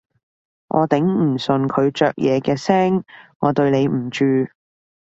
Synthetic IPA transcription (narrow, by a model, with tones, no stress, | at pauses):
ʔɔ̰ː˨˧t̪ɪ˨˥ŋm̩˨˩sɵ˨nkʰɵ˨˧ɥt͡ʃœː˨˧k̚jʔɛː˨˧kɛː˧sɛː˥ŋː | ɔː˨˧t̪ɵ˧ɥne˨˧jm̩˨˩t͡ʃyː˧